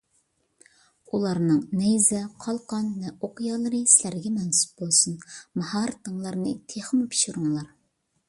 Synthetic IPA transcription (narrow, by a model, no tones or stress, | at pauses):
ulˠɑɾnɨŋnɛjzɛqʰɑlˠqɑnvɛoqjɑːlˠɨɾɨsɪlæɾɡʲɛmɛnsu̥p̚bolˠsunmɑhɑːɾt̪əŋlˠɑɾnɨ̰t̪ʰeχmɨpʰi̥ʃuɾuŋlˠɑɾ